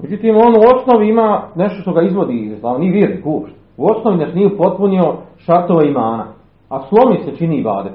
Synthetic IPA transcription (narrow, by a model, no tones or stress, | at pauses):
med͡ʑut̪iːmonuo̞snoʋiimaːne̞ʃt̪oʃt̪o̞ɡaizʋo̞d̪iːslˠaːonieʋiːɾnikuːpʃt̪ | uo̞sno̞ʋinaʃniːupo̞t̪̚punio̞ʃat̪oʋeimaːna̰ | aslˠo̞miset͡ʃiniba̰ːd̪e